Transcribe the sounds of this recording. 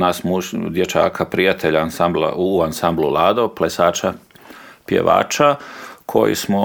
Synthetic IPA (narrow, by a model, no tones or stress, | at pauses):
nasmud̪je̞t͡ʃa̰ːkʰapɾijat̪ʰeʎaansambla̰uansamblulˠaːd̪oplesaːt͡ʃa | pjḛʋa̰ːt͡ʃakʰo̞jḭsmo